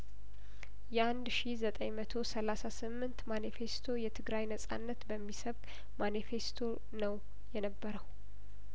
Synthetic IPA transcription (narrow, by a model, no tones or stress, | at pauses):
jɛand̪ʃizət̪ʼəjmət̪ʰo̞səlasasɨmːɨnt̪manife̞st̪ʰo̞jɛt̪ʰɨɡɾajnəsʼa̰nːət̪bəmːisəβkʼ | manife̞st̪ʰo̞ | nəw | jɛnəbːəɾəw